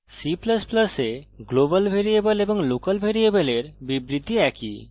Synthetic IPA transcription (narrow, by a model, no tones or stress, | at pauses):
sipləspləseɡlobəlbʱeɾiebəleboŋlokəlbʱeɾiebəleɾbibɾid̪ʱiɛkḭ